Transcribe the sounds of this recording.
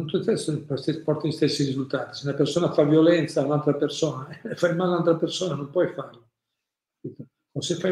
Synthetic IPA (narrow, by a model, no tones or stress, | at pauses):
nt̪ut̪ɛspɔst̪epɔrt̪aist̪ɛsːirizult̪aːt̪i̥seunapersoːnafavjolɛnt̪saːunalt̪ɾapersoːnafajmaːlunalt̪ɾapersoːnanõmpwɔjfarlo | pit̪o | osefːa